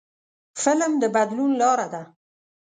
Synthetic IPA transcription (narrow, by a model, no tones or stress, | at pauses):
fɪlmd̪əbad̪lunlɑɾad̪a